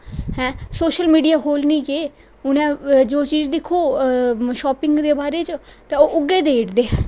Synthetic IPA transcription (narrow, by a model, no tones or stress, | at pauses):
hɛ̃ːsoːʃəlmiːɖijaːɦoːlnĩːkeː | ʊnɛ̃ːd͡ʒoːt͡ʃiːzd̪ɪkʰːoːʃɔːpɪŋɡd̪eːbaːɾeːt͡ʃt̪ẽːoːʔʊɡeːd̪eːʈd̪eːɛ